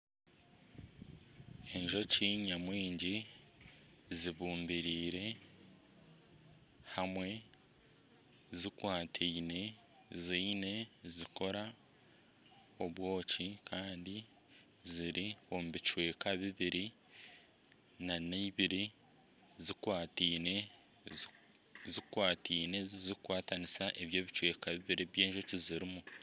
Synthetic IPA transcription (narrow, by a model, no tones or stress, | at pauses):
e̞ɲʒo̞ciːɲamwiːɲɟi | ziβuːmbiɾiːɾe̞ | hamwe̞ | zikwaːtʰeine̞ | ziine̞zikʰo̞ɾa | o̞βwo̞ːcikʰaːndi | ziɾio̞muβit͡ʃwe̞ːkaβiβiɾi | naneiβiɾi | zikwaːtiːne̞ | zikwaːtiːne̞zikwaːtanisaʔeβjo̞ːβit͡ʃwe̞ːkaβiβiɾiβje̞ːʒo̞ciziɾimu